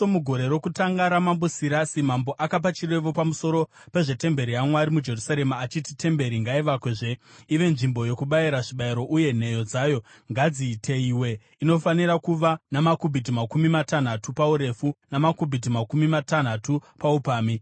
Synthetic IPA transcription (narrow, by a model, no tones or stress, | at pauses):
omuɡʱo̞ɾe̞ɾo̞kutaŋɡaɾamambusiɾasimambo̞ʔakap̬at͡ʃire̞ʋopamuso̞ɾo̞ | pe̞ʐe̞te̞mbe̞ɾijamwaɾimud͡ʒe̞rusaɾe̞maːt͡ʃititʰe̞mbe̞ɾiŋɡaiʋakweʐe̞iʋe̞nʐimbo̞jo̞kuɓaiɾaʐiɓaiɾo̞ʔuje̞n̤e̞jo̞d͡zaːjo̞ | ŋɡad͡zitʰe̞iwe̞ | ino̞faniɾakuʋanamakubʱitimakumimatan̤atupauɾe̞funamakubʱitimakumimatan̤atupaupaːmi